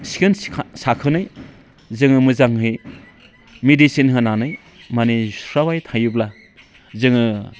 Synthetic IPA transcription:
si̥kɯnsakʰɯnɯj | zɯŋɯmɯzaŋhɯj | medisinɦɯnanɯj | manisɾawajtʰajubla | zɯŋɯ

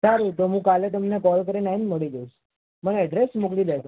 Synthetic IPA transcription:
saɾut̪oɦũkalet̪əmnekɔlkəɾinainməɭid͡ʒəut͡ʃʰ | məneəɖɾesmuklid̪et̪

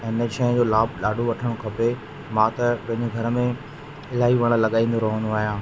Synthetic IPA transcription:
eɪneʃɐ̃ɪ̃d͡ʑoːlaːbʱɗaːɖʱoʋɐʈʰəɽ̃okʰɐpe | mãːt̪ɐpɐ̃ɦɪ̃ɲd͡ʑeɡʱɐɾəmẽ | ɪl̤aːiʋɐɽ̃əlɐɠaːĩːnd̪oɾɐɦə̃nd̪oaːɦijãː

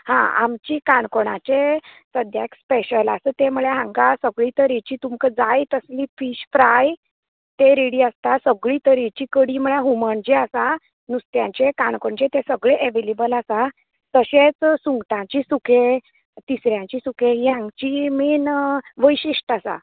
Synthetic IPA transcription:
hã̰a̰mt͡ɕiːkaɳkoɽ̃a̰t͡ɕesəd̪jakspeɕəlasət̪emuɭeɦãŋɡasəɡɭiːt̪əɾit͡ɕiːt̪umkəd͡zajt̪əsliːfiɕfɾaj | t̪eɾeɽiːəst̪asəɡɭiːt̪əɾit͡ɕiːkəɽiːmuɭeɦuməɳd͡ʑeasa | nust̪jãɲt͡ɕekaɳkoɳt͡ɕet̪esəɡɭeʔeʋelebəlasa | t̪əɕẽt͡ssuŋɡʈ̪ãt͡ɕiːsukʰe | t̪isɾjãt͡ɕiːsukeɦiɦãŋɡt͡ɕiminʋəjɕiʂʈasa̰

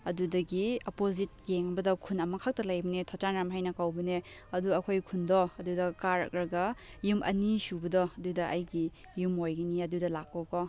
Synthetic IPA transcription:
ɐdudɐɡiopozit̚ɡeŋbɐdɔkʰunɐmɐkʰak̚tɐlajbɐnetʰɔt͡ʃanɾamɦajnɐkawbɐne | ɐduɐkʰojkʰundɔɐdudɐkaɾɐ̰k̚ɾɐɡɐ | jumʔɐ̰nisubɐdɔɐdudɐʔɐjɡi | jumojɡɐniɐdudɐlak̚ːɔkɔ

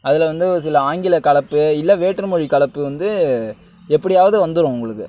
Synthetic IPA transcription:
ɐðɪlɛʋɐnd̪ɯsɪlɐaːŋɡɪlɐkɐɭɐpːɯɪlːɐʋeːʈrɯmɔɻikɐɭɐpːɯʋɐnd̪ɯ | ɛpːɐɽɪjaːʋɐðɯʋɐnd̪ɯɾõʊŋɡɐɭɯkːɯ

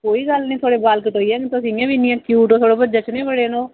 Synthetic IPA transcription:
koːiːɡəlnĩːt̪ʰoːɽeːbaːlkəʈoːiɛːt̪ʊsĩːjãːʋiːnĩːɛ̃ːkjuːʈoːt̪ʰoːɽeːbəd͡ʒət͡ʃnẽːbəɽeːnõː

